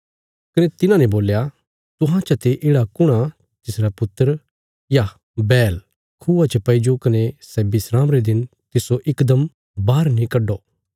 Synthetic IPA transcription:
kɐnet̪ɪnãneboːlja | t̪ʊɦãt͡ʃʰɐt̪eʔeːɽakʊɽ̃a | t̪ɪsɾapʊt̪ːəɾ | ja | bɛːl | kʰuːat͡ʃʰɐpɐɪd͡ʒokɐnesɛːbɪsɾaːmɾed̪ɪn | t̪ɪsoʔɪkd̪əm | baːɾnĩkɐɖoː

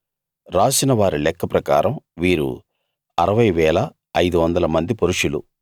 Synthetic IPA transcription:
ɾaːsinɐʋaːɾilɛkːɐpɾɐkaːɾɐmʋiːɾṵ | ɐɾɐʋɐjʋɛːlɐː | jd̪uʋɐnd̪ɐlɐmɐnd̪ipoɾuʂulṵ

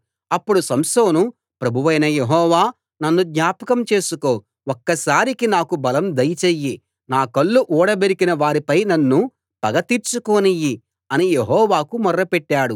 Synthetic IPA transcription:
ɐpːuɽusɐmso̞ːnu | pɾɐbʱuʋɐjnɐje̞ɦɔːʋaː | nɐnːud̪ɲaːpɐkɐmt͡ʃe̞ːsuko̞ː | ɔkːɐsaːɾikinaːkubɐlɐmd̪ɐjt͡ʃejːi | naːkɐɭːuʔuːɽɐbeɾikinɐʋaːɾipɐjnɐnːu | pɐɡɐt̪iːɾt͡ʃukoːniji | ɐnije̞ɦɔːʋaːkumɐrːɐpeʈːaːɽu

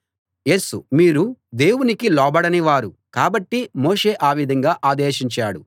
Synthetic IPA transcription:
je̞ːsumiːɾud̪e̞ːwunikilɔːbɐɽɐniʋaːɾukaːbɐʈːimoːʂe̞ːʔaːʋid̪ʱɐŋɡaːʔaːd̪eːʃiɲt͡ʃaːɽu

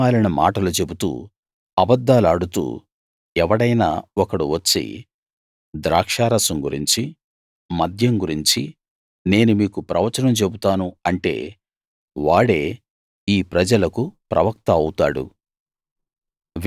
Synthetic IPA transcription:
aːlinɐma̰ːʈɐlut͡ʃe̞but̪ṵː | ɐbɐd̪ːaːlaːɽut̪ṵː | ɛʋɐɽɐjna̰ːɔkɐɽuʋɐt͡ʃːḭ | d̪ɾaːkʂaːɾɐsɐmɡuɾiɲt͡ʃi | mɐd̪ʱjɐŋɡuɾiɲt͡ʃi | ne̞ːnumiːkupɾɐʋɐt͡ʃɐnɐmt͡ʃe̞but̪aːnuɐɳʈe̞̰ː | ʋaːɽe̞ː | iːpɾɐd͡ʒɐlɐkupɾɐ̰ʋɐk̚t̪ɐɐwt̪aːɽṵ | ʋ

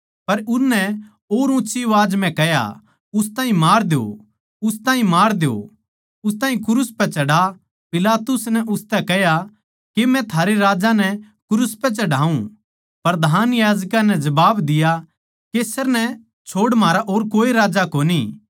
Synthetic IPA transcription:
pɐɾʊsnɛ | oːɾʊ̃tːʃiʋaːd͡ʒmɛ̃kɛɦja̰ | ʊst̪aːɦĩmaːɾd̪eo̰ | ʊst̪ãːɦĩmaːɾd̪eo̰ | ʊst̪aːɦĩkʊɾʊspɛt͡ʃɐɽa | pɪlaːt̪ʊsnɛʔʊst̪ɛkɛɦja | kemɛ̃t̪ʰaːɾeɾaːd͡ʒanɛ | kʊɾʊspɛt͡ʃɐɽaːũ | pɐɾd̪ʱaːnjaːd͡ʒkãnɛd͡ʒɐbaːbd̪ɪja | keːsəɾnɛ | t͡ʃʰoːɽmaːɾaʔoːɾkoːiɾaːd͡ʒakoːni

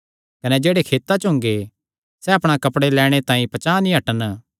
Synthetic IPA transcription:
kɐnɛd͡ʒeːɽekʰeːt̪ːat͡ʃɦʊ̃ŋɡe | sɛɐpɽ̃akɐpɽelɛːɽ̃et̪ãːĩpɐt͡ʃaːnĩɦɐʈən

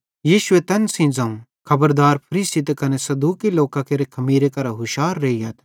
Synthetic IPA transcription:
jiːʃʊet̪ɐnsĩd͡zɐ̃ũ | kʰɐbəɾd̪aːɾpʰɐɾiːsit̪̬ekɐnesɐd̪uːkiloːkãkeɾekʰɐmiːɾekɐɾaɦʊʃaːɾːeːiɦɐt̪ʰ

